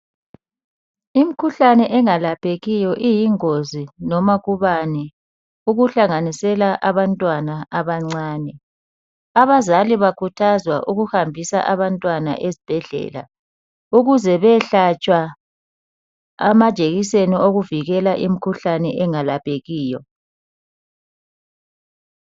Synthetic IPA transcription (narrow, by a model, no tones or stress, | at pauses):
imikʰuɬanɛʔɛŋalapʰʼeɣijɔʔijiŋozinɔmaɣuβanɛ | uɣuɬaŋanisɛlaʔaβantʼwanaʔaβaŋ͡ǀaːnɛ | aβazaliβakʰutʰazwaʔuɣuhambʱisa̰ʔaβantʼwana̰ʔezib̥ʱɛɮɛ̰ːla̰ | uɣuzɛβɛɬat͡ʃʼwa | a̰mḁʒ̥ʼʱeɣiseniʔoɣuviɣɛlaʔim̩kʰuɬanɛʔɛŋalapʰʼeɣiːjɔ